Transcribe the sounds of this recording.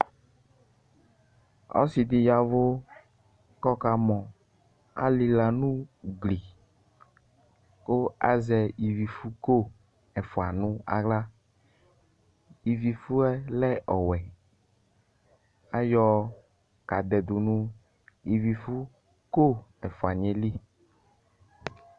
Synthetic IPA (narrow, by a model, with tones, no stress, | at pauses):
ɔ̰˦si˨d̪ɪ˨ja˨vo˦ | kɔ˦ka˨mɔ̃˨ | a̰˦li˨la˨nũ˦ɡli˨ | o˦a̰˦zɛ˨i˨vi˨fu˦ko˦ | ɛ˨fo˨a˨nũ˦a̰˨ɣla˦ | i˨vi˨fu˦ɛ˦lɛ˦ʔɔ˨wɛ˨ | a˦jɔ˦ | ka˨d̪ɛ˨d̪ʊ˨nũ˦ | i˨vi˨fu˦ | ko˦ɛ˨fo˨a˨ɲe˨li˦